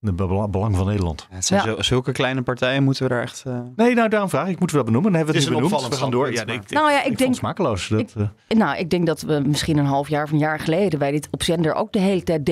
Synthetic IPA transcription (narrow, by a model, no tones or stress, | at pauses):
bəlɑŋvɑnːeːdəɹlɑ̰ntsɛzʏlˠkəklɛjnəpaɹtɛjənmutəʋədaːɹɛ̰χtnejnowdaːrɔmvraːχɪkmutəʋədɔd̚bənuməndɔnɦɛbəʋədɔnybənuʋəχaːndʊːɹnowjaʔɪk̚dɛŋsmaːkəlowsdt | nowʔɪɡ̚dɛŋk̚dɑtʋəmɪsχinənɦɑlˠfjaːɹvənjaːɹχəlejdəʋɛjdɪtɔpsɛndəɹʔo̰wk̚dəɦejlətɛj̚d